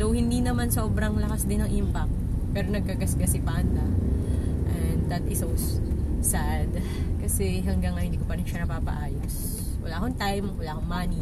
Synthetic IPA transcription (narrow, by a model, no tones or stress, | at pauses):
dowhɪnd̪inɐmansoːbɾɐŋlɐkasd̪ɪnɐŋʔimpɐk̚t̪̚pɛːɾonɐɡ̚kaɡɐskɐsɪpand̪ɐ | ʔɛnd̪d̪ɐt̪ɪsowsad̪ | kɐsɛɦɐŋɡaŋːɐhɪnd̪iːkopɐɾɪnʃɐnɐpaːpɐ̰ʔaːjos | wɐ̰laːkoŋt̪ajmwɐlaːkoŋmani